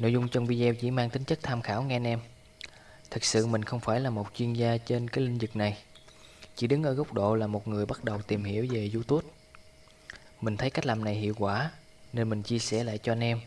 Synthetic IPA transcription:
no̰˧˥˨jzʊ˧ŋ͡mt͡ɕə˧wŋ͡mvi˧zɛ˧wt͡ɕḭ˧˥maː˧ŋt̪ï˨˦ŋ̟t͡ɕə˦˥k̚t̪ʰaː˧mxaː˧˩wŋɛ˧nʔɛ˧m | t̪ʰɨ˨˩k̚sɨ̰˧˨mï˨˩ŋ̟xə˧wŋ͡mfaː˧˩jlaː˨˩mo˨˩t̚t͡ɕwi˧ənzaː˧t͡ɕe˧nkaː˨˦jlï˧ŋ̟zɨ˨˩k̚na˨˩j | t͡ɕḭ˧˥ɗɨ˨˦ŋʔəː˧˩ɣə˦˥wk͡p̚ɗo̰˧˨laː˨˩mo˨˩t̚ŋɨ˨˩əjɓa˦˥t̚ɗə˨˩wt̪i˨˩mhḭ˧˩˥əwve˨˩zu˧t̪u˦˥əp̚ | mï˨˩ŋt̪ʰə˨˦jka˦˥k̚laː˨˩mna˨˩jhḭ˧˨əwkwaː˧˩ | ne˧nmï˨˩ŋ̟t͡ɕi˧əsɛ˧˩la̰ː˧˨jt͡ɕɔ˧ʔɛ˧nʔɛ˧m

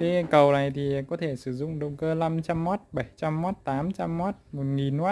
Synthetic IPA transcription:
k̪a˨˦˧kə˨˩wna˨˩jt̪ʰi˨˩kɔ˨˦t̪ʰe˧˩sɨ˧˩zʊ̰˧˨ŋ͡mɗə̰˧˨ŋ͡mkəː˧la˧mt͡ɕa˧mːo˦˥t̚ɓə˧˩jt͡ɕa˧mːɔ˦˥t̚t̪aː˨˦mt͡ɕa˧mːo˦˥t̚mo˨˩t̚ŋi˨˩nːwaː˦˥t̚

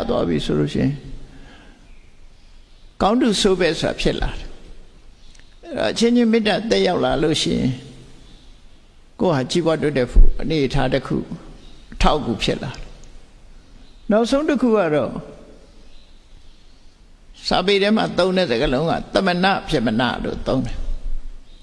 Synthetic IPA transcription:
t̪wa̰˦bḭ˨so˨lo̰˦˨ɕɪ̰̃˦˨ɪ̃˨ | ɡ̥ã˦ʊ̃ndu˨so˦bɛ˦so˨ɾa̰˨pʰjɪ˦ʔla̰˨ɾɛ̥˨ | ʔɛ˦ɾɔ̰˨ʔət͡ɕʰɪ̃˦d͡ʑɪ̃˦mɪ̃˦tã˨t̪ɛ˦ʔja˦ʊʔla˨lo˦ʃɪ̰̃˦˨jɪ̰̃˨ | ko̰˦˨ha˨t͡ɕi˦bwa˦twɛ˦˨tɛ˦˨pʰṵ˦ʔəne˨ətʰa˦təkʰṵ˦˨ʔətʰa˦ʊkːu˨pʰjɪ˦ʔla˨ɛ˨ | na˦ʊʔsʰõ˦ʊ̃təkʰṵ˦˨ɡa˦˨ɾɔ̰˦˨ | sa̰˨pe˨ɾɛ˦m̥a̰˨t̪õ˦ʊ̃ndɛ˦˨zə˨ɡəlõ˦ʊ̃ŋa̰˦˨t̪ə˨mə˨nä̰˦˨pjɪ˦ʔməna̰˦˨lo̰˦˨t̪õ˦ʊ̃ndɛ˨

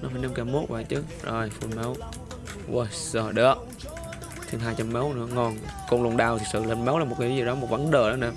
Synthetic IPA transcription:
nɔ˨˦faː˧˦jna˧mkaː˨˧˩mo˦˥t̚va̰ː˧˨jt͡ɕɨ˨˦˥ | zo˨˩jfu˧nmə˨˦w | wə˧˩sə˧˩ɗə˨˦ | t̪ʰɨ˨˧˨ŋɦaː˧jt͡ɕa˧mmə˨˦wnɨ̰˧˥əŋɔ˧˩nkɔ˧˩nlṵ˨˧˩ənɗaː˧˩wt̪ʰk̚sɨ̰˧˨lə˧nmə˨˦wlaː˨˩mo˨˩t̚kːa˨˦zi˨˩ɗɔ˨˦mo˨˩t̚va˨˦nɗəː˧˨ɗɔ˨˦na˧˩

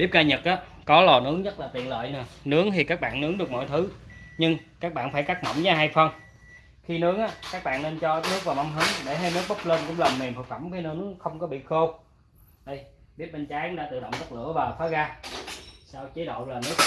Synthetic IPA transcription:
ɓi˦˥p̚ɣaː˧ɲə˨˩t̚ʔaː˨˦ | kɔ˨˦lɔ˨˩nɨ˨˦əŋɲə˦˥t̚laː˨˩t̪wḭ˧˨ənlə̰ː˧˨jnə˨˩nɨ˨˦əŋt̪ʰi˨˩kaː˦˥k̚ɓa̰ː˧˨nːɨ˨˦əŋnɗɨ˨˩ək̚mɔ̰˧˨jt̪ʰɨ˨˦ɲɨ˧ŋkaː˦˥k̚ɓa̰ː˧˨nfaː˧˩jkaː˦˥k̚mə̰˧˨wŋ͡mzaː˨˧˦ɦaː˧jfə˧n | xi˧nɨ˨˦əŋʔaː˨˦kaː˦˥k̚ɓa̰ː˧˨nne˧nt͡ɕɔ˧˥nɨ˦˥ək̚vaː˨˩wma˧mɦɨ˨˦ŋɗe˧˩ɦa˧jnɨ˦˥ək̚ɓə˦˥k͡p̚ləː˧nkʊ̰˧˥ŋ͡mlə˨˩mme˨˩mfə˨˧˩k̚fə˧˩mki˧nə˨˧˦nɨ˦əxə˧wŋ͡mkɔ˨˦ɓḭ˧˨xo˧w | ɗə˧jɓi˦˥əp̚ɓe˧nt͡ɕaː˨˦jʊ̰˧˦ŋ͡mɗa̰ː˧˥t̪ɨ̰˧˨ɗə̰˧˨ŋ͡mzə˦˥t̚lɨ̰˧˩˥əvaː˨˩faː˨˦ɣaː˧ | saː˧wt͡ɕi˨˦ɗo̰˧˨wlaː˨˩nɨ˦˥ək̚

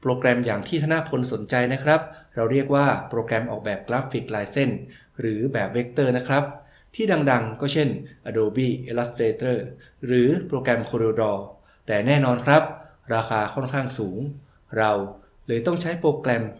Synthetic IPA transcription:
pɾoː˧kɾɛ˧mjaː˨˩ŋt̪ʰiː˥˩t̪ʰa˧na˦˥pʰo˧nso˩˦nt͡ɕa˧jna˦˥kʰɾa˦˥p̚ɾa˧wɾi˥˩ək̚waː˥˩pɾoː˧kɾɛ˧mʔɔː˨˩k̚bɛː˨˩p̚klaː˦˥pfi˨˩k̚laː˧jse˥˩n | ɾɯː˩˦bɛː˨˩p̚we˦˥k̚t̪ɤː˥˩na˦˥kʰɾa˦˥p̚ | t̪ʰiː˥˩da˧ŋda˧ŋkɔː˥˩t͡ɕʰe˥˩nʔa˧doː˧biː˥˩ʔe˧la˦˥st̪ɾeː˧t̪ɤː˥˩ | ɾɯː˩˦pɾoː˧kɾɛ˧mkʰoː˧ɾeː˧dɔː˧ | t̪ɛː˨˩nɛː˥˩nɔː˧nkʰɾa˦˥p̚ | ɾaː˧xʰaː˧kʰɔ˥˩nkʰaː˥˩ŋsuː˩˦ŋ | ɾa˧w | lɤː˧jt̪ɔ˥˩ŋt͡ɕʰa˦˥jpɾoː˧klɛ˧m

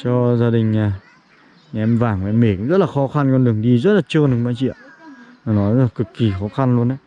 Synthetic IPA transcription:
t͡ɕɔ˧zaː˧ɗï˨˩ŋ̟aː˨˩˧ | ʔɛ˧mvaː˨˩ŋkːʔɛ˧me˧˩kʊ̰˧˥ŋ͡mzə˦˥t̚laː˨˩xɔ˨˦xa˧nkɔ˧nɗɨ˨˩əŋɗi˧zə˦˥t̚laː˨˩t͡ɕə˧nɗɨ˨˦ɓaː˧˦t͡ɕḭ˧˨əwaː˨˩nɔ˨˦jzə˦la˨˩kɨ˨˩kːi˨˩xɔ˨˦xa˧nlu˧ənʔaː˨˦

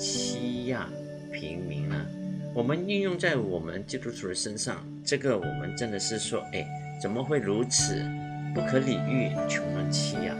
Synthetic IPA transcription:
t͡ɕʰi˥ja̰˥˩ | pʰḭ˧˥ŋmḭ˧˥ŋnə̰˧wɔ˨˩mə˦ny˥˧njʊ˥˧ŋt͡sa˥˩ɪwɔ˨˩mə̰˦nt͡ɕi˥˧t̪u˥t̪ʰu˨˩d̪ə˦ʂə˥nʂɑ̰˥˩ŋ | ʈ͡ʂɤ˥˩ɡə˩wɔ̰˨˩mə̰˦nʈ͡ʂə˥nd̪ə˨ʂɻ̩˥˩ʂwɔ˥e˥˩ɪ | t͡sə˨˩nmə˦xwe˥˩ɪɻu˧˥t͡sʰɹ̩˨˩ | pu˥˩kʰɤ˧˥li˨˩y̰˥˩t͡ɕʰjʊ˧˥ma˧ŋt͡ɕʰi˥ja̰˥˩

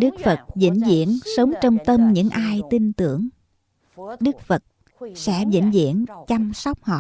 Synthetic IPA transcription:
ɗɨ˦˥k̚fə˨˩t̚zḭ˧˥nzḭ˧˨˥ənsə˨˦wŋ͡mt͡ɕɔ˧wŋ͡mt̪ə˧mɲɨ̰˧˥ŋʔaː˧jt̪i˧nt̪ɨ˧˩əŋ | ɗɨ˦˥k̚fə˨˩t̚ | sɛ̰˧˥zḭ˧˥nzḭ˧˥ənt͡ɕa˧msɔ˦˥wk͡p̚hɔ̰˧˨

